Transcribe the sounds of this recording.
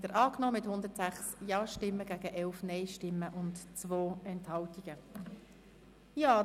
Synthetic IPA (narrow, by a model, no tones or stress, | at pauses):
dəɾʔɑːknɔːmɪthʊnd̪əɾtsæχsjɑːʃtɪmːəɡ̥æːɡəʔɛlfnɛɪʃtɪmːəʔʊntt͡svoːɛnthɑltiɡ̥ə | jaː